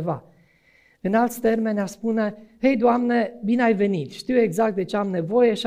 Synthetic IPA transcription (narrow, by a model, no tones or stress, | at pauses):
va | ɨnalt̪st̪e̞rme̞naspunehejd̪oamnebineajve̞nit̪ʃt̪iwe̞ɡzak̚t̪̚d̪e̞t͡ʃeamne̞vo̞je̞ʃi